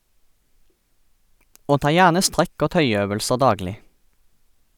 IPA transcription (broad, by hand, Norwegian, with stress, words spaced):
ˈoː ˈtɑː ˈjæːʁnə ˈstʁɛk ˈoː ˈtœʏˌøːʋəlsə ˈdɑːɡlɪ